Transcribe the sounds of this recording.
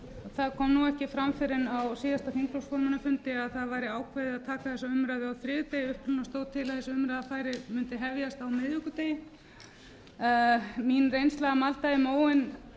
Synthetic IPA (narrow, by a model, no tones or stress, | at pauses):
θaðkʰɔmnuɛhcɪfɾamfɪɾɪnawsiːðast̪afiŋklowskoɾmanːafʏnt̪ɪaðθaðvajɾɪaːwkʰvajðɪðaðt̪ʰaːkaθɛsːaʏmɾajðɪawθɾɪːðʏt̪ejʏhp̪ʏnast̪oːwt̪ʰɪlaðθɛsɪʏmɾajðafaːjɾɪmʏnt̪ɪɦɛvjast̪awmɪðʏkʏt̪eːjɪ | minrejnst̪laɣamalt̪ajɪmoːwɪn